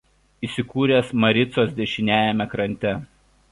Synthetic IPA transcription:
isʲɪkuːɾʲeːsmɐɾʲɪt̪soːsd̪ʲɛʃʲɪnʲæːjɛmʲɛkɾɐnʲt̪ʲɛ

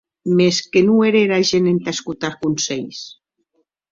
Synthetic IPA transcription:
meskenueɾeɾaʒenent̪askut̪aɾkunseʎs

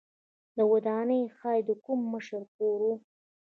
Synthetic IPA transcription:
d̪əwad̪ɑnəjxɑjd̪əkumːəʃəɾkoɾu

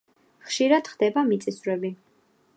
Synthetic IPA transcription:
χʃiɾad̪̥χd̪ɛbamit̪sʼisvɾɛbi

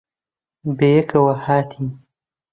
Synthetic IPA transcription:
bejɐkɐwɐhaːt̪ʰiː

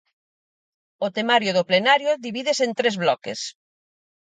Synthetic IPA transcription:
ot̪emaɾjoðoplenaɾjoðiβiðesent̪ɾezβlɔkḛs

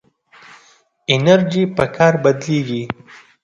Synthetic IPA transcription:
ɪnaɾd͡ʒipəkʰɑːɾbad̪leɡi

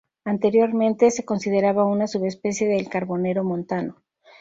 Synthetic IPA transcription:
ant̪e̞ɾjo̞ɾmẽ̞nt̪e̞se̞ko̞nsið̞e̞ɾaβaunasuβe̞spe̞sje̞ðelkaɾβo̞ne̞ɾo̞mõ̞nt̪ano̞

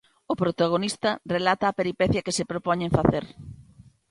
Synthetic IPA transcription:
ʊpɾot̪aɣ̞onist̪ɐrelat̪ɐːpeɾipɛθjɐkesepɾopɔɲẽɱfaθeɾ

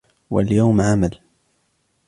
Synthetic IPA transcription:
wa̰ljawmʕamal

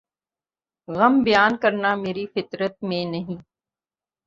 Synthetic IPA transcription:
ɣɐmbɪjaːnkɐɾnameːɾifɪt̪ɾət̪̚mẽnɐɦĩː

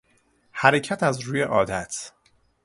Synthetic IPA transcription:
hæɾecʰæt̪ʰæzɾuːjeʔɒːd̪æt̪ʰ

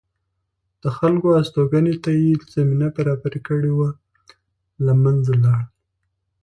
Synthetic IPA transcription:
d̪̥əxalkoast̪oɡanet̪ajez̥aminabaɾɑbaɾekəɽewa | lamanzalɑɽ

